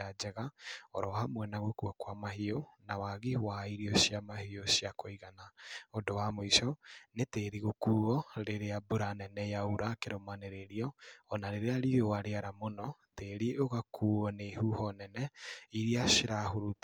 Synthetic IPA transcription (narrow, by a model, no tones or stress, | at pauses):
ad͡ʒɛɣaɔɾɔhamwɛnaɣokuakwamaɦionawaɣiwaiɾiɔʃiamahiosiakoiɣanaodowamoiʃɔneteɾiɣokuːɣɔɾeɾeabuɾanɛnɛjauɾakeɾomaneɾeɾiɔːnaɾeɾeaɾiɾowaɾeaɾamonɔ | teɾioɣakʰuːɣɔnehuhɔnɛnɛiɾiaʃeɾaɦoɾut